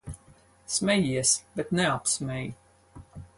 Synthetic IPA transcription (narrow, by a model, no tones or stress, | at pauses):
smʲɛjiɛsbɛt̪nɛapsmʲɛj